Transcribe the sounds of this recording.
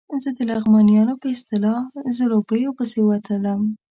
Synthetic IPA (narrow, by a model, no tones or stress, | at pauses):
zəd̪əlaɣmɑnijɑnopəɪst̪ɪlɑzəlobəjopəsewat̪ʰələm